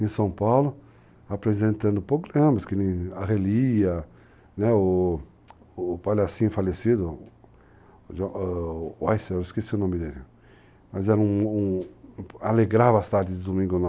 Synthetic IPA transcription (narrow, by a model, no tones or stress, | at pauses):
ẽsɐ̃w̃pawlʊ | apɾezẽnt̪ɐ̃nd̪ʊpɾoɡɾɐ̃mɐskɪnẽaɦeliɐ | nɛʊ | palasĩɲʊfalesid̪ʊ | ʒõ | ajsewɪskesiʊnõwmɪd̪elɪ | mɐzɛɾɐ̃ũ | aleɡɾavast̪aɾd͡ʒ̪ɪd̪ɪd̪omĩŋɡʊn